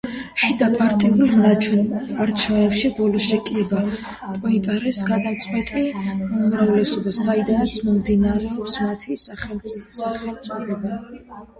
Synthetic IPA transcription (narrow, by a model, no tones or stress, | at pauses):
ʃid̪apʼaɾt̪ʼiulˠm | aɾt͡ʃʰɛvnɛpʃibɔlɔʃɛkʼiɛba | pʼɔipʼaɾɛsɡad̪amt̪sʼqʼwɛt̪ʼiumɾavlɛsɔbasaid̪anat̪sʰmɔmd̪inaɾɛɔpsmat̪ʰisaχɛlʼsaχɛlit̪sʼɔd̪ɛba